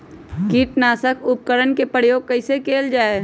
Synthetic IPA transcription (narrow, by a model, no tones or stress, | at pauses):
kiːʈnaːsəkʊp̚kəɾənkepɾəjoːɡ̚kəɪsekeːld͡ʒaːe